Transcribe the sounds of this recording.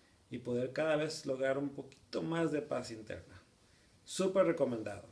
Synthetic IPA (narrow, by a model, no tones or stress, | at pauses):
ipo̞ðe̞ɾkaðaβe̞slo̞ɣɾaɾumpo̞ki̥t̪omazðe̞pasint̪e̞̰ɾna | supeɾreko̞mend̪a̰ðo